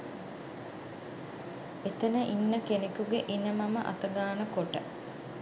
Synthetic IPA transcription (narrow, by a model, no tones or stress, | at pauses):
et̪ənəʔinːəkenekuɡeʔinəmaməʔa̰t̪əɡaːnəkoʈə